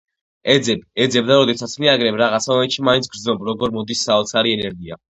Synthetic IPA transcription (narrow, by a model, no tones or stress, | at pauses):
ɛd̪zɛbɛd̪zɛbd̪aɾɔd̪ɛsat̪sʰmiaɡɾɛmɾaʁat̪sʰaɔmɛnʃimaint̪ʰɡɾd̪znɔbɾɔɡɔɾmɔd̪isːaɔt̪sʰaɾiɛnɛɾɡia̰